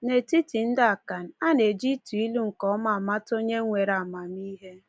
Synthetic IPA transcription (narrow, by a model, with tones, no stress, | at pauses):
ne˨ti˦ti˨n̩˦da˦a˨ka˨n̩˨a˦ne˨d͡ʒi˦tu˨i˦lu˦ŋ̩˨kɔ˦ma˨a˨ma˦to˦ɲe˦ŋʷe˨ɾa˨ma˨m˦i˦ɦe˦